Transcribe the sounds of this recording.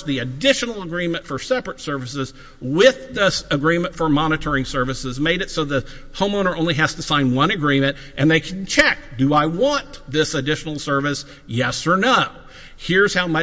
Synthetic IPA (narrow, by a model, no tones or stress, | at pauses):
ðiɨdɪʃɨnl̩ˠəɡɹĩmɨ̃ntfə˞sɛpɹɨtsɜ˞vɨsɨz̥ | wɪðːɪsɨɡɹĩmɨ̃ntfə˞mɑnɨɾə˞ɪ̃ŋsɜ˞vɨsɨzmeɪɾɨtsoʊðɨhõʊ̃moʊ̃nə˞õʊ̃nliɦæz̥tɨsãɪ̃nwʌ̃ɾnɨɡɹĩmɨ̃nt | ʔɨ̃nðeɪkʰn̩t͡ʃʰɛk̚d̥ɨaɪwɑ̃nðɪsɨdɪʃn̩l̩ˠsɜ˞vɨs | jɛsə˞naʊ | hɪɹz̥haʊmʌ